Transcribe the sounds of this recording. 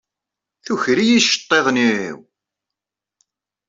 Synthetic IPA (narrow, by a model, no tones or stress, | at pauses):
θuçɾijiʃə̥t̪ˤːeðˤniḭw